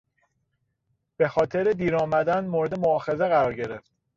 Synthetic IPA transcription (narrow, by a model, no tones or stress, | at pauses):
b̥e̞xɒːt̪ʰeɾed̪iːɾɒːmæd̪ænmoːɾe̞d̪emoɒːxe̞ze̞ɣæɾɒːɾɟe̞ɾe̞ft̪